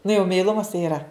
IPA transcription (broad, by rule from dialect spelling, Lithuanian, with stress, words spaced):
nʊ jɛʊ mʲɛɪˈlˠʊmɐs tɐɪ ɪˈrɐ